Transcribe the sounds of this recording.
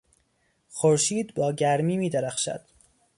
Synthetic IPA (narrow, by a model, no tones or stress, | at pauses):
xoɾʃiːd̪bɒːɟæɾmiːmiːd̪eɾæxʃæ̰d̪̥